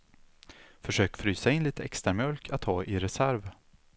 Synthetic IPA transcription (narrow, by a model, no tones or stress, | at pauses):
fœʂøːkfɾyːsaɪnliːt̪əɛ̰kst̪ɾaɾmjœlkʰat̪ʰːɑːʔɪɾɛsæɾv